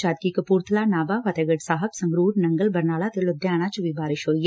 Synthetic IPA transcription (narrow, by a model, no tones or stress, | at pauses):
t͡ʃaːd̪̚kikɐpuːɾt̪ʰlaːnaːbaːʋɐt̪eɡəɖsaːɦəbsɐ̃ŋɡɾuːɾnɐŋɡəlbɐɾnaːlat̪elod̪jaːɽ̃at͡ʃʋibaːɾɪʃoːj